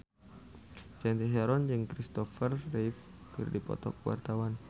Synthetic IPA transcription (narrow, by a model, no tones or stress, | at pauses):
t͡ʃɛnt̪iɦaɾɔnd͡ʒɨŋkɾist̪ɔfərːif | kɨrdipɔ̰t̪ɔkwa̰rt̪awan